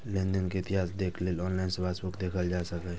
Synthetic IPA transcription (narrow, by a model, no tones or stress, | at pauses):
lẽːnd̪ənkeɪt̪ɪɦaːsd̪eːkʰleːlɔːnlaɪnsebeːsbʊkd̪eːkʰəld͡ʒaːsəkɛ